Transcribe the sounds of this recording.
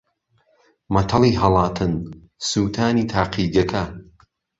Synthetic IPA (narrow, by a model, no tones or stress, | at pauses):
mɐt̪ʰɐlˠiːɦɐlˠɑːt̪ʰɨn | suːt̪ʰaːniːt̪ʰaːqiːɡɐkʰɐ